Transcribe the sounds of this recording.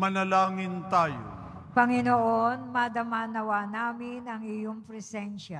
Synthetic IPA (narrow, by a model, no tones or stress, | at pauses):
mɐnɐlaːŋɪnt̪aːjo̰ | pɐŋɪnoʔonmɐd̪ɐmanɐwanaːmɪnɐŋɪjoŋpɾɛsɛnʃa